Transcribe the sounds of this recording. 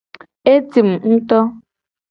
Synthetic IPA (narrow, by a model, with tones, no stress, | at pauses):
e˦ti˨m̩˨n̩˦tɔ˦